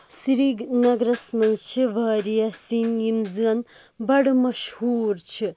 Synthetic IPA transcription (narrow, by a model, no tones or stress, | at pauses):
siɾiɡnɐɡɾɐsmɐnzt͡ʃʰiʋɐːɾijɐsinjimzɨɐn | bɐɽmɐʃhuːɾt͡ʃʰi